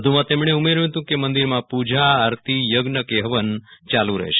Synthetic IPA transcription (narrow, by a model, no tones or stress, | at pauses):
d̪ʱumãt̪emɳ̃eumeɾ̃t̪ũkemənd̪iɾmãpud͡ʒʱaːɾt̪ʰijəɡnəkeɦʋənt͡ʃalũɾə̰ɦeʃe̥